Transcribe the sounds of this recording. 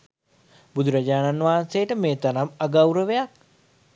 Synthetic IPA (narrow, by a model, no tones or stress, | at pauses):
bud̪ʱuɾad͡ʒaːnanʋaɦnsejəʈəmeːt̪anamaɡawɾəʋejak̚